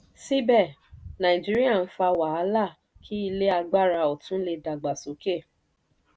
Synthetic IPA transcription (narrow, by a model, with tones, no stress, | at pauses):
si˦bɛ˦˨nã˨ĩ˨d͡ʒi˦ɾi˦a˦˨n̩˦fa˧wa˨a˧˦la˦˨ | kʰi˦i˧le˦a˧ɡ͡ba˦˨ɾa˧o˨tũ˦le˧da˨ɡ͡ba˨so˨˦ke˦˨